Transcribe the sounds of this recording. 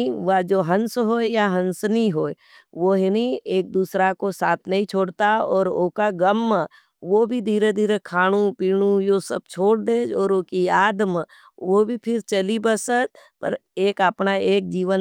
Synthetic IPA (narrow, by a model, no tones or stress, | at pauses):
ʋad͡ʒoːɦə̃nsɦoːjaɦə̃nsnĩɦoːe | ʋoɦenieːk̚d̪uːsɾakosaːt̪ʰnɐɦĩt͡ʃʰoːɽt̪aɔːɾoːkaɡəmː | ʋobʱid̪ʱiːɾed̪ʱiːɾekʰaːɽ̃ũpiːɽ̃ũjoːsəb̚t͡ʃʰoːɽ̚d̪eːd͡ʒɔːɾoːkiaːd̪m | ʋobʱipʰɪɾt͡ʃəlibəsət̪pə̰ɾeːkəpnaeːk̚d͡ʒiːʋə